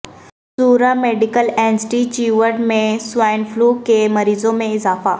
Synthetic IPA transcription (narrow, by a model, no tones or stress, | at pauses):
suːɾameːɖɪkəleːnsʈit͡ɕiʋəɾɖmẽsʊaːɪnfluːkemɐɾiːzõmẽɪzaːfaː